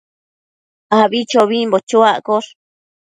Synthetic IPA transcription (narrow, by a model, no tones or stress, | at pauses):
aβit͡ʃoβimbot͡ʃoaʔkoɬ